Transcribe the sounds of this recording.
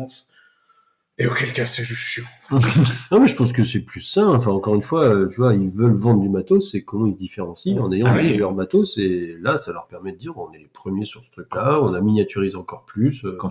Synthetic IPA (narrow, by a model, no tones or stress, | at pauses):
eokʲɛlkasɛʒyssyʁ | nɔ̃mɛʒəpɑ̃s̬kəsɛplysɛ̃ɑ̃fɛ̃ɑ̃kɔʁynfwaøt̪yvwailvœlvɑ̃d̪ʁd̪ybat̪osɛkɔmɑ̃ilsd̪ifeʁɑ̃siɑ̃nejɑ̃d̪əlœʁbat̪oselasalœʁpɛʁmɛd̪əd̪iʁɔ̃nɛlepχəmjesyʁsə̥t̪χyklaɔ̃naminjat̪yʁizɑ̃kɔʁplysø